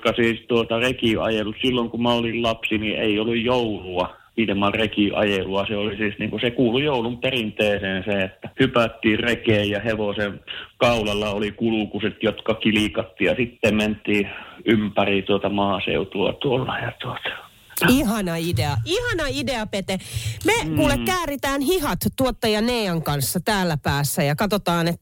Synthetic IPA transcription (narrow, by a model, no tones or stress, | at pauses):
kɑsiːst̪uot̪ɑrekiɑ̰jelussilːoŋkumɑolillɑpsiniʔḛiolːujjouluɑ | ilmɑrekiʔɑ̰jeluɑseolisiːsniːŋkusekuːlujoulumperint̪eːseːnsẽːet̪ːæhypæt̪ːiːrrekeːjjɑheʋosenkɑulɑlːɑolikulukuset̪jot̪kɑkilikɑt̪ːiːjɑsit̪ːemment̪ˑiːympærit̪uot̪ɑmɑːsḛut̪uɑ̰t̪uolːɑjɑt̪uot̪ɑ̥ | ihɑnɑideɑihɑnɑideɑpet̪emekuːlːekkæːrit̪æːnhihɑt̪t̪uot̪ːɑjɑneːɑŋkɑnsːɑt̪æːlːæpæːsːæjɑkɑt̪ot̪ɑːnet̪ː